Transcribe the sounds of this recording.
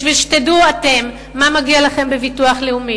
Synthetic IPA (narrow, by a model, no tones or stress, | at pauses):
ʃvilʃe̥teduate̞mː | amaɡialaχe̞mbevituaχleumi